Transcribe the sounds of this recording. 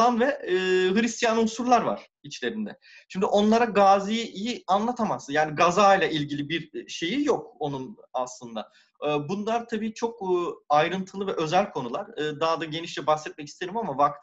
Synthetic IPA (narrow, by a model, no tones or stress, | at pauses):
anvɛːɦɯɾist̪ijanusuɾlˠaɾva̰ɾ̥ | it͡ʃlʲe̞ɾind̪ɛ̰ | ʃʰimd̪yʔo̞nlˠaɾaɡaːzijijianlˠat̪ʰamasɯnjaːniɡazaːjlʲˠaʔilʲɟilʲibiɾʃe̞jijo̞k̚o̞nun | aslˠɯnd̪a | ɯːbunlˠaɾt̪ʰabiːt͡ʃʰo̞kːajɾɯnt̪ʰɯlˠɯvɛʔø̞zælʲkʰo̞nulˠaɾɯːd̪ad̪aɟe̞niʃlɛbaxsɛt̪̚mɛcist̪ʰeɾimamavak̚t̪